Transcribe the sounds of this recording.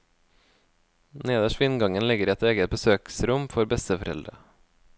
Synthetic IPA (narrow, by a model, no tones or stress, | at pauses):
neːd̪əʃʋɪnɡɑŋənlɪɡəɾɛt̪eːɡət̪̚bəsøːksɾʊmfɔɾbɛst̪əfɔɾɛld̪ɾə̰